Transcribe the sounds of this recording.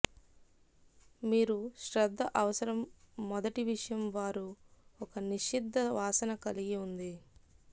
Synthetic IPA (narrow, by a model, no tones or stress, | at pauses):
miːɾuʃɾɐd̪ʱːɐʔɐʋɐsɐɾɐmː | ɔd̪ɐʈiʋiʂɐjɐmʋaːɾuɔkɐniʃid̪ʱːɐʋaːsɐnɐkɐliɡiund̪i